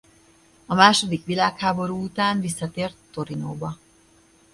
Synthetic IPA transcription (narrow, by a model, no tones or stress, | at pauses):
ɒmaːʃo̞d̪ikʋilaːkhaːbo̞ɾuːut̪aːnvisːɒt̪eːrt̪ːo̞ɾinoːbɒ